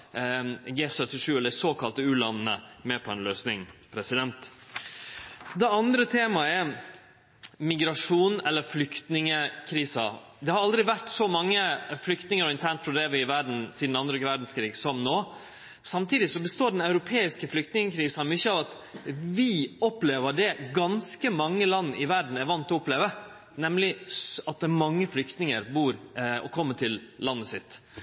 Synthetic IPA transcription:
ɡeːfsœt̪ːɪʂʉːɛld̪əɾsoːkʰɑlt̪əʉːlɑnːə̰mɛpʰɔɛnløːsnɪŋpʰɾɛsɪd̪ɛnt̪ | d̪ɛɑnd̪ɾət̪ʰeːmɑɛɾ | mɪɡɾɑʂuːnɛlːəɾflʏkt̪nɪŋəkʰɾiːsɑ | d̪ɛhɑɾɑld̪ɾɪʋæɾt̪sɔmɑŋːəflʏkt̪nɪŋəɾɔɪnt̪ʰæɳʈ̪fɔd̪ɛʋɪʋæɾɖɳ̩sid̪n̩ɑnd̪ɾəʋæɾɖn̩skʰɾiːɡsɔmnoː | sɑmt̪ʰiːd̪ɪsɔbəst̪oːɖɛnɑʉɾʊpʰeːɪskəflʏk̚t̪nɪŋəkʰɾiːsɑmʏçːəɑːʋɑt̪ | ʋɪɔpleːʋəɖɛɡɑnskəmɑŋːəlɑnːʔɪʋæɾɖɳ̩æɾʋɑnt̪ɔɔpleːʋə | nɛmlɪɑt̪̚d̪ɛmɑŋːəflʏkt̪nɪŋəɾbuːɾɔ̰kʰɔmːəʈʰɪlːɑnːəsɪt̪ː

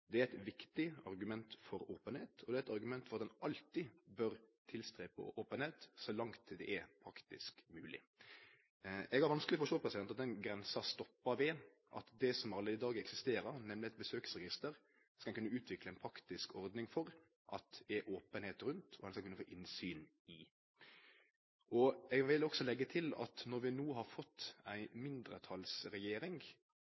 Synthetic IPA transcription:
d̪ɛæɾɛt̪ʋɪkt̪ɪɑɾɡʉmɛnt̪fɔɾoːpənheːt̪ʰɔd̪ɛæɾɛt̪ɑɾɡʉmɛnt̪fɔɾɑt̪d̪nʔɑlt̪ɪbœɾt̪ʰɪlst̪ɾeːpʰo̰ːʔoːpənheːt̪sɔlɑŋt̪d̪ɛ̰ʔɛpʰɾɑkt̪ɪskmʉːlɪ̰ | ɛɡæɾʋɑnsklɪfɔɔʂt̪oːpʰɾɛsɪd̪ɛnt̪ɑt̪d̪ɛnɡɾɛnsɑst̪ɔpːɑʋɛ | ʔɑ̰t̪d̪ɛsɔmɑɾleɪd̪ɑːɡəɛksɪst̪eːɾəɾnɛmlɪɛt̪̚bəsøːksɾɛɡɪst̪əɾ | skɑlkʉnːəʉːt̪ʰʋɪkləɪnpʰɾɑkt̪ɪskʰɔɾd̪nɪŋfɔɾ | ʔɑt̪̚ɛʔoːpənheːt̪ɾʉnt̪ʰɔhɛnskɑkʉnːəfoːʔɪnsyːn | ɪ | ʔɔɛɡʋɪlɔksɔlɛɡːət̪ʰɪlɑ̰t̪nɔɾʋɪnuːɦɑɾfɔt̪ːæɪmɪnd̪ɾə̰t̪ʰɑlsɾɛjeːɾɪŋɡ

